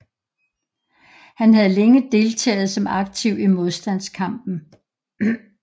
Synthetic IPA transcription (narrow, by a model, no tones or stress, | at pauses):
hænɦæð̞̩ˠleŋəd̥e̝lt͡sʰɛ̰ːð̞̩ˠsɒ̽mɑ̈ɡ̥̚t͡sʰiʊ̰imo̝ð̞ˠsd̥æn̰skʰɑ̈m̰b̥n̩